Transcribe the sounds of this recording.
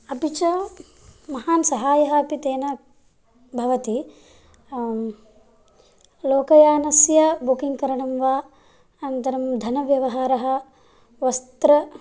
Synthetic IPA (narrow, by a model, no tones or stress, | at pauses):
ɐpit͡ʃɐ | mɐhaːnsɐɦaːjɐɦɐɐpit̪eːnɐ | bʱɐʋɐt̪i | loːkɐjaːnɐsjɐbukiŋɡkɐɾɐɳɐmʋaː | ɐnt̪ɐɾɐmd̪ʱɐnɐʋjɐʋɐɦaːɾɐɦɐ̆ | ʋɐst̪ɾɐ